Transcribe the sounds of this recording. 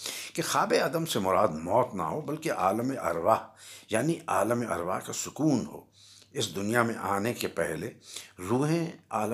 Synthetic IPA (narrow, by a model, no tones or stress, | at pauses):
kexaːbeɐd̪əmsemʊɾaːd̪mɔːt̪na̰ɦobɐlkeʔaːləmeʔɐ̰ɾʋaːjaːniʔaːləmeʔɐ̰ɾʋa̰ːɦkasʊkuːnɦo̰ː | ɪsd̪ʊnijamẽʔaːnekepɛɦleɾuːɦẽaːl